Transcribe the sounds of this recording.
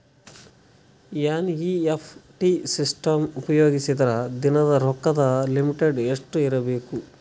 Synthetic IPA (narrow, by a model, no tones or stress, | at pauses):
jaːniːepʰʈisisʈɐmupɐjoːɡisid̪ɐɾɐd̪inɐd̪ɐɾɔkːɐd̪ɐlimiʈeɖeʂʈuiɾɐbeːku